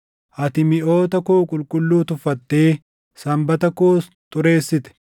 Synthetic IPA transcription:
ʔɐt̪ɪmɪʔo̞ːt̪ɐkuːkʼʊlkʼʊlːuːt̪ʊfɐt̪ːe̞ː | sɐmbɐt̪ɐkuːs | t̪ʼʊɾe̞ːsːɪt̪ɛ̥

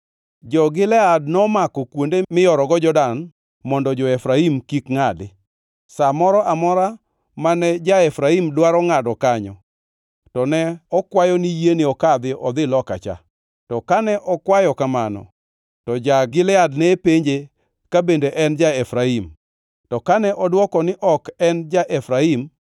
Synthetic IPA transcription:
d͡ʒɔɡɪlɛad̚nɔmakɔkwondemɪjɔɾɔɡɔd͡ʒɔdan | mɔndɔd͡ʒɔɛfɾaimkikŋadɪ | samɔɾɔʔamɔɾa | manɛd͡ʒaɛfɾaimdwaɾɔŋadɔkaɲɔ | tɔnɛɔkwajɔnijenɪɔkad̪ɪʔɔd̪ɪlɔka̰t͡ʃa̰ | tɔkanɛʔɔkwajɔkamanɔ̰ | tɔd͡ʒaɡɪlɛadnɛpeɲd͡ʒe | kabendeʔɛnd͡ʒaɛfɾaim | tɔkanɛʔɔdwɔkɔnɪʔɔkɛnd͡ʒaʔɛfɾaim

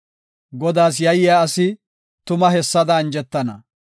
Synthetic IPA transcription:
ɡɔd̪aːs̬jɐjɪjaːɐsɪ | t̪ʊmɐɦɛsːɐd̪ɐːnd͡ʒɛt̪ːɐnɐ̰

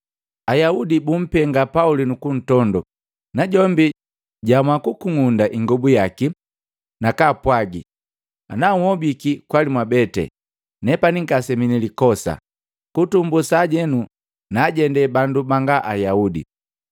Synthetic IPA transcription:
ajaudibum̩pɛŋɡapaulinukun̩tɔndɔ | naɟɔmbi | ɟamwakukuŋundaʔiŋɡɔbujaki | nakapwaɡi | anaŋwɔbikikwalimwabɛtɛ̰ | nɛpaniŋɡasɛminilikɔsa̰ | kutumbusaːɟɛnu | naɟɛndɛbandubaŋɡaʔajaudḭ

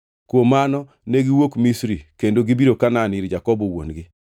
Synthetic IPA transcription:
kwomanɔ | neɡɪwokmisɾikendoɡibiɾokananiɾd͡ʒakɔbɔwo̰nɡɪ

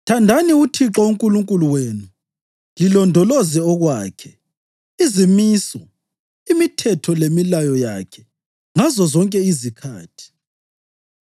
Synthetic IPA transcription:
tʰandʱaniutʰiǁɔuŋkʼuluŋkʼuluweːnu | ŋilɔndʱɔlɔzɛɔɣwaːkʰɛ | izimiːsɔ | imitʰɛtʰɔlemilajɔja̰kʰɛ̥ | ŋazɔzɔŋkʼɛizikʰa̰ːtʰi̥

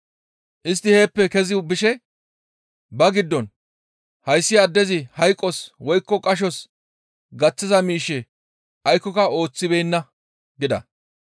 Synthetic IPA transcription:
ʔɪs̬t̪ːɪhe̞ːpːɛkɛzɪbɪʃɛ | bɐɡɪd̪ːɔn | hɐjsːɪad̪ːɛzɪhɐjkʼːɔswɔjkːɔkʼɐʃ̬ɔs | ɡɐt͡sːɪzɐmiːʃːɛ | ʔɐjkːɔkɐo̞ːt͡sːɪbejnːɐ | ɡɪd̪ɐ̰

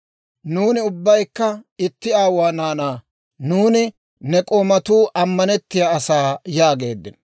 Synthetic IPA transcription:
nuːnɪʊbːɐjkːɐɪt̪ːɪaːwaːnaːnaː | nuːnɪ | nɛkʼoːmɐt̪uːʔɐmːɐnɛt̪ːɪjaːɐsaːjaːɡe̞̰ːd̪ːɪ̰n

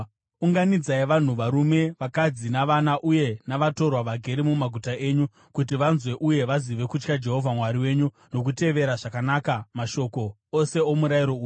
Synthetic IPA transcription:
uŋɡanid͡zaiʋan̤uʋaɾume̞ʋakad͡zinaʋanaʔuje̞naʋato̞rwaʋaɡʱe̞ɾimumaɡʱutae̞ːɲu | kut̬iʋanzwe̞ʔuje̞ʋaziʋe̞kut͡ʃkad͡ʒe̞ɦo̞vʱamwaɾiwe̞ːɲu | no̞k̬ute̞ʋe̞ɾaʐakanaːkamaʃo̞ko̞ | ose̞o̞muɾaiɾo̞uːju

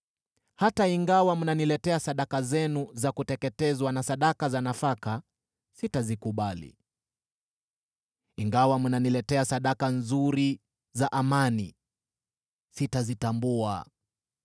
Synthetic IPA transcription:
hataiŋɡawamunanilɛtɛasaɗakazɛnuzakutɛkɛtɛzwanasaɗakazanafaka | sitazikuɓalḭ | iŋɡawamunanilɛtɛasaɗakanzuɾi | zaʔamanḭ | sitazitambua̰

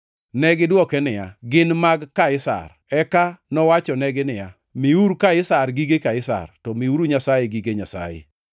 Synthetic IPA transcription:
nɛɡɪdwɔkɛnɪja̰ɡɪnmaɡkaɪsa̰r | ɛkanɔwat͡ʃɔnɛɡɪnɪja | miuɾukaɪsarɡiɡekaɪsa̰rtɔmiuɾuɲasajeɡiɡeɲasa̰jḛ

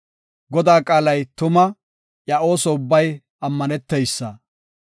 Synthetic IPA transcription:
ɡɔd̪aːkʼaːlɐjt̪ʊmɐ | ʔjɐo̞ːsɔʊbːɐj | ɐmːɐnɛt̪ːɛjsːɐ

